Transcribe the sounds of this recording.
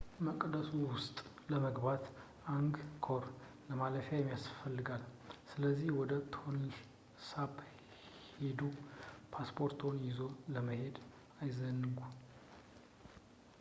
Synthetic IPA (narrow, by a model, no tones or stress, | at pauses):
məkʼd̪əsuwʊst̪ʼ | ləməɡbat̪ | aŋɡkʰoɾ | ləmaləfjajɛmːijasfəlːɨɡalsɨləzːihwɔd̪ət̪ʰon | sab | hed̪upʰaspʰo̞ɾt̪ʰo̞njɪzoləməhe̞d̪ | ajzənːɨɡu